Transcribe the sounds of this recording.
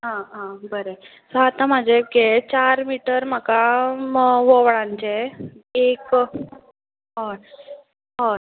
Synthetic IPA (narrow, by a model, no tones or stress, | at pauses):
ɦãɦãbəɾe | sɔat̪ãmad͡ʑʱeɡet͡ɕaɾmiʈəɾm̤əka | ʋoʋɭãɲt͡ɕeek | ɦɔ | ɦɔ